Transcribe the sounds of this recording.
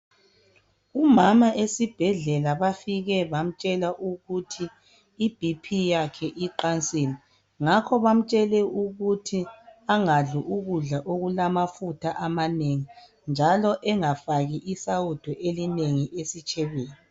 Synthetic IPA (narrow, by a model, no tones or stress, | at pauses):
umamaʔesib̥ʱɛɮɛlaβafiɣɛβam̩t͡ʃʼɛlaʔuɣutʰiː | b̥ʱipʰijakʰɛʔiǃant͡sʼili | ŋakʰɔβam̩t͡ʃʼɛlɛuɣutʰiaŋaɮuʔuɣuɮaʔoɣulamafutʰaʔamaneŋi | nd͡ʒʱalɔʔɛŋafaɣiʔisaud̥ʱɔʔelineŋiʔesit͡ʃʼɛβeːni